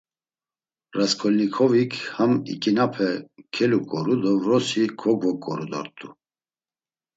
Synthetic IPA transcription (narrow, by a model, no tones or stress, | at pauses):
ɾaskʰɔlnikʰɔvikʰhamḭkʼinapʰɛkʰɛlukʼɔɾud̪ɔvɾɔsikʰɔɡvɔkʼɔɾud̪ɔ̰ɾt̪ʼu